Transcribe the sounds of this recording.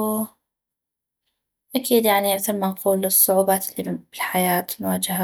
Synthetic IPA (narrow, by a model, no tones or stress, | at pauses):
ʔakiːd̪jaʕniaɡθaɾmːanquːlɨsˤːʊʕuːbaːt̪ɪlːib̥ɪlħajaːt̪mʊwaːd͡ʒaha